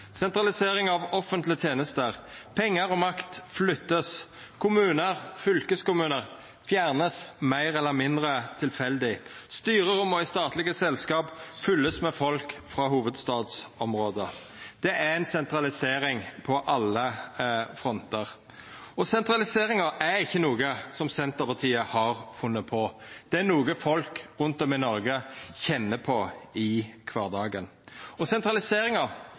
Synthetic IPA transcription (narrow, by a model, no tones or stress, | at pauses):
sɛnt̪ɾɑlɪseːɾɪŋɑʋɔfənt̪lɪət̪ʰjeːnəst̪əʁpʰɛŋːəɾɔmɑkt̪flʏt̪ːəs | kʰʊmʉːnəʁfʏlkəskʊmʉːnəʁ | fjæːʁnəsmæɪʁɛlːəɾmɪnd̪ɾət̪ʰɪlfɛld̪ɪst̪yːɾəɾʊmɔɪst̪ɑːt̪lɪɡəsɛlskɑːpfʏlːəsmɛfɔlkfɾɑːɦuːʋəd̪st̪ɑːd̪sɔmɾoːd̪ə | d̪̥ɛʔæɾɛnsɛnt̪ɾɑlɪseːɾɪŋpʰɔʔɑlːə | fɾɔnt̪əʁ | ɔsɛnt̪ɾɑlɪseːɾɪŋɑæɾɪçːənuːɡəsɔmsɛnt̪əpɑʁt̪ʰiːəhɑɾfʉnːəpʰɔd̪̥ɛænuːɡəfɔlkɾʉnt̪ɔmɪnɔɾɡəçɛnːəpʰɔɪkʰʋɑːʁd̪ɑːɡən | ɔsɛnt̪ɾɑlɪseːɾɪŋɑ